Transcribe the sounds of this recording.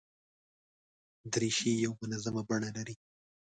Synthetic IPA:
d̪ɾiʃijawmʊnazamabaɳalaɾi

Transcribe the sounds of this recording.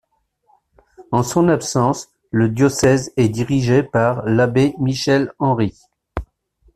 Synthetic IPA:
ɑ̃sɔ̃napsɑ̃s | ləd̪jɔsɛzɛd̪iʁiʒepaʁlabemiʃɛlɑ̃ʁi

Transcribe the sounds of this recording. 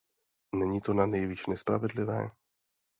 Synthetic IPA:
nɛɲiːt̪onanɛjviːʃnɛspɾa̰vɛdlɪvɛ̰ː

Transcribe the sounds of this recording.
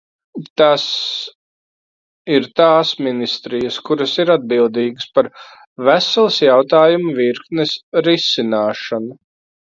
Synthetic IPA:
t̪as | iɾt̪aːsminist̪ɾijɐskuɾɐsiɾad̪̚bilˠd̪iːɡəspaɾ | væsɛlˠsjawt̪aːjumuviɾknɛsɾisinaːʃanu

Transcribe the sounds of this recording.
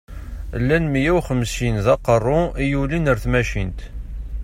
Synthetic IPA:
lːænmijæwχəmsinðɑqərˤːʊijulinəɾθmæʃint̪

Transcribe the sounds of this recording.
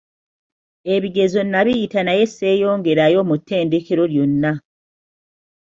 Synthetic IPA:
e̞βiɡe̞zo̞nːaβijitanaje̞sːe̞ːjo̞ːŋɡe̞ɾajo̞mutːe̞ːndeke̞ɾo̞ljo̞nːa

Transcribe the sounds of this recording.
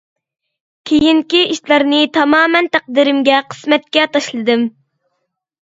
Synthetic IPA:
kʲʰejiŋkʲiiʃlˠɑɾnɨt̪ʰɑmɑːmɛnt̪æq̚d̪iɾɪmɡʲɛqʰə̥smɛt̪̚kʲɛt̪ʰɑʃlˠɨd̪ɨm

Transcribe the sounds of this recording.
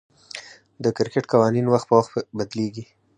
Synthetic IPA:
d̪əkɪɾkɪʈkawɑninwaxt̪̚pəwaxt̪bad̪leɡi

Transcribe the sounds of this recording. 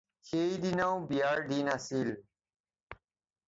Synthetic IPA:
hejd̪inawbijaɾɖinasil

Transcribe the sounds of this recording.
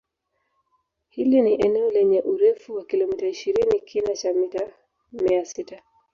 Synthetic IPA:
hiliniʔɛnɛɔlɛɲɛʔuɾɛfuwakilɔmitaiʃiɾinikʰinat͡ʃamita | miasita

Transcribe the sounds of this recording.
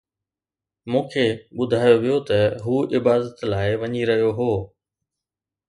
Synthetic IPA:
mũːkʰeːɓʊd̪ʱaːjoʋijot̪ɐɦuːɪbaːd̪ət̪laːɪʋɐɲiɾɐɦijoɦoː

